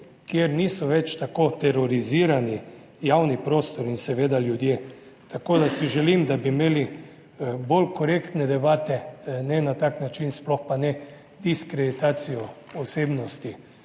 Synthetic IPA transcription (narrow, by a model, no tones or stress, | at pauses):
kjeɾniːsɔʋɛt͡ʃt̪akot̪ɛɾɔɾiziːɾani | jawnipɾoːst̪ɔɾinsɛʋeːd̪aljud̪je | t̪akod̪asiʒɛlimd̪abimeːli | bolkɔɾekt̪nɛd̪ɛbaːt̪ɛnɛnat̪aknat͡ʃinsplɔxpanɛ | d̪iskɾed̪it̪aːt̪sijɔ | ɔseːbnɔst̪i